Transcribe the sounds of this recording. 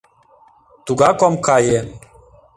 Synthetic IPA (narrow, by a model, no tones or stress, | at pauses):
t̪uɡakɔmkaje